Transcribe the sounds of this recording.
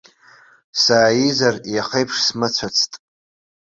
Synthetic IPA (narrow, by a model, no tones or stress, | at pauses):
saːjizarijaχejpʰʂsmɨt͡sʷʰat͡sʰtʼ